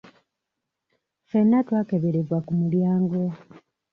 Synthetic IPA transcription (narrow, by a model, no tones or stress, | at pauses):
fenːatwaːkeβe̞ɾevwakumuljaːŋɡo̞